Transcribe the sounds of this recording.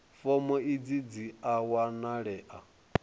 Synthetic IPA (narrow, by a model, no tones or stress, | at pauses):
fɔmɔid͡zid͡ziawanaɺɛʔa